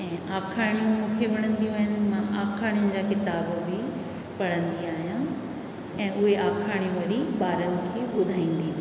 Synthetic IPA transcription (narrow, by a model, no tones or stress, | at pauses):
ɛ̃ːʔaːkʰaːɽ̃ijũmũkʰeʋɐɽ̃ə̃nd̪ijũaːɦɪnɪ̆mãʔaːkʰaːɽ̃ijʊnɪ̆d͡ʑaːkɪt̪aːbbɪ | pɐɽə̃nd̪iaːɦijã | ɛ̃ːʔʊɦeʔaːkʰaːɽ̃ijũʋɐɾiɓaːɾənɪ̆kʰeːɓʊd̪ʱaːĩːnd̪iː